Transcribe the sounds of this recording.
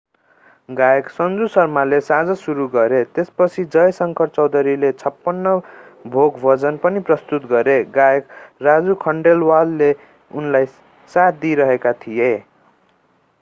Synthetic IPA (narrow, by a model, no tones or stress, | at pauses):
ɡajeksʌnd͡zusʌrmalesad͡zʌsuɾuɡʌɾet̪espʌt͡sʰid͡zʌjsʌŋkʰʌrt͡sʌwd̪ʌɾilet͡sʰʌpːʌnːʌbʱoɡbʱʌd͡zʌnpʌniprʌst̪ut̪ɡʌɾeɡajekrad͡zukʰʌɳɖelwalːe | unlaj | sat̪̚ʰd̪iɾʌɦekat̪ʰije